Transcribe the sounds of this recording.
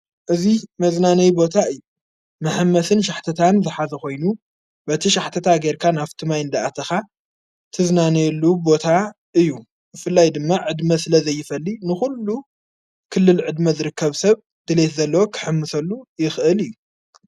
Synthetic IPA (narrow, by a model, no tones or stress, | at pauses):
ʔɨzimɐznanɐjbo̞t̪ʰaɨjːu | mɐħɨmːɐsɨnʃ̬aħt̪ʰɐt̪ʰanzɨħazɐxo̞jnu | bɐt̪ʰiʃaħt̪ʰɐt̪ʰaɡeɾkʰanaft̪ʰɨmajɨnd̪aʔat̪ʰɐxa | t̪ʰɨznanejlːubo̞t̪ʰa | ʔɨjːu | bɨfɨlːajd̪ɨmːaʕɨd̪mɐsɨlɐzɐjːɪfɐlːinɨxulːu | kʰɨlːɨlʕɨd̪mɐzɨɾɨkːɐβsɐβ | d̪̥ɨlet̪zɐlːɐwokʰɨ̥ħɨmːɨsɐlːujɪxʔɨlɨjːu